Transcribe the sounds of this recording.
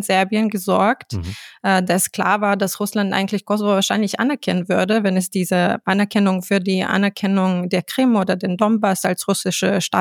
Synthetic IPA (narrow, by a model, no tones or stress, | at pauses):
nz̥ɛɐbiənɡəzɔɐktʔɛdaɛskl̥a̰ːɐvaːɐdasʁʊslantʔa̰ɪŋ̩tlɪçkʰɔzovoːvaːɐʃaɪnlɪçʔa̰nɛɐkʰɛnənvʏɐdəvɛnɛsd̥iːzəʔanɛɐkʰɛnʊŋfyːɐdiːʔa̰nɛɐkʰɛnʊŋdeːɐkʁ̥ɪmʔoːdɐdeːndɔmbasalsʁʊsɪʃəʃta̰ː